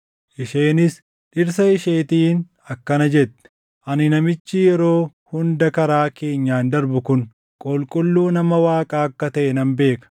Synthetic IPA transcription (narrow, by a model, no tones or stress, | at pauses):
ʔɪʃeːnɪs | ᶑɪɾs̬ɐɪʃe̞ːt̪iːn | ɐkːɐnɐd͡ʒɛt̪ːɛ̥ | ʔɐnɪnɐmɪt͡ʃːijɛɾo̞ː | hʊnd̪ɐkɐɾaːke̞ːɲːaːnd̪ɐɾbʊkʊn | kʼɔlkʼʊlːuːnɐmɐwaːkʼaːɐkːɐt̪ɐʔɛnɐmbe̞ːkɐ̥